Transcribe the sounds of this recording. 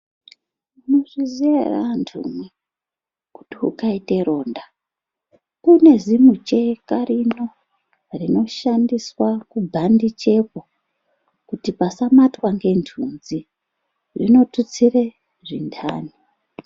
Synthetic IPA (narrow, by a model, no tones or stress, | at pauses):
unoʐiziera̰ntʰṵmwe | ku̥tiṵkaite̞ɾo̞ːnda | kune̞zimut͡ʃe̞kaɾino̞ | rino̞ʃandiswakubʱandit͡ʃe̞po | kutipasamatwaŋɡe̞ntʰunzi | ʐḭno̞tut͡sire | ʐindʰa̰ːni